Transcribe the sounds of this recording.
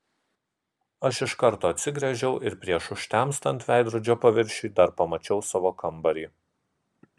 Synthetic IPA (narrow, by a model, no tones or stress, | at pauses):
ɐʃɪʃkɐɾt̪oːɐt̪ʲsʲɪɡɾʲɛʒʲɛʊʔɪɾpʲɾʲiɛʃʊʃʲt̪ʲæmst̪ɐnʲt̪ʲʋʲæˑɪd̪ɾʊd͡ʒʲoːpɐʋʲɪɾʲʃʲiːd̪ɐɾpɐmɐt͡ʃʲɛʊsɑːʋoːkɐmbɐɾʲiː